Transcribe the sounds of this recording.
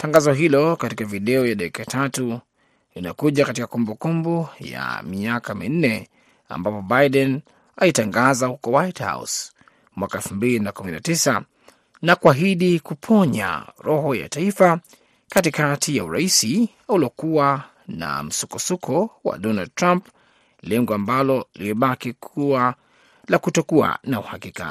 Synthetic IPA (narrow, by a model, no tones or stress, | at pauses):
taŋɡazɔɦilɔkatikaviɗɛɔjaɗakikatʰatu | linakuʄakatikakumbukumbuja̰miakamin̩nɛ | a̰mbapɔbajɗɛn | alitaŋɡazahukɔwajtha̰ṵs | mwakaɛlfumbilinakuminatisa | nakuaɦiɗikupʰɔɲa̰ɾɔɦɔja̰taifa | katikatʰijauɾaisi | aulɔkua | na̰m̩sukɔsukʰɔwa̰ɗɔnald̚tɾamp | lɛŋɡɔambalɔliɛɓakikʰua | lakutɔkua̰nauhakika̰